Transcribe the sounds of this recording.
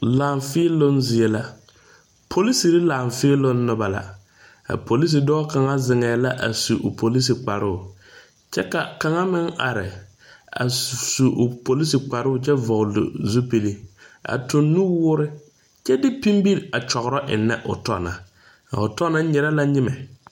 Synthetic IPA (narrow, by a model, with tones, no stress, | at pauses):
laː˨ɱfɪː˦lo˦nzɪ˨ɛ˦la˦ | pʰo˨li˦si˨ɾɪ˦laː˨ɱfɪ˦lo˦nːʊ˨ba˨la̰˦ | a̰˨po˨li˦s̬i˨dɔː˦ka˨ŋa˦zɪ˨ŋɛː˨la˦ʔa̰˨su˨ʔʊ̰˨po˨li˦s̬i˨k͡pa˨ɾʊ˦ʊ˨ | t͡ʃɛ˦ka˨ka˨ŋa˦mɪ˦ŋa̰˨ɾɪ˨ | a̰˨su˨ʔpo˨li˦si˨k͡pa˨ɾʊ˦ʊ˨t͡ʃɛ˦vɔ˨ɣlʊ̰˨zu˦pe˨li˦a̰˨tʊ˨nːu˦wʊː˦ɾɪ˦ | t͡ʃɛ˦dɪ˦pi˦mbi˦ɾa˨t͡ʃɔ˨ɣɾɔ˦ʔɪ̰˨nːɛ̰˦ʔʊ̰˨tɔ̰˦˨na̰˨ | ʊ˨tɔ˦na˦ɲɛ˨ɾa˦la˦ɲɪ˦mɛ˨